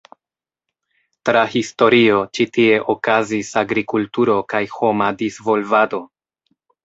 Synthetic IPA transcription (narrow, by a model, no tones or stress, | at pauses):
tɾahisto̞ɾio̞t͡ʃitie̞ʔo̞kazisaɡɾikultuɾo̞kajho̞madizvo̞lvado̞